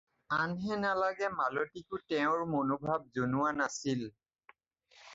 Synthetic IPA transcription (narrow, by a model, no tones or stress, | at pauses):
anɦɛnalaɡɛmalotikʊtɛʊ̃ɹmonobʱab̚zonʊwanasil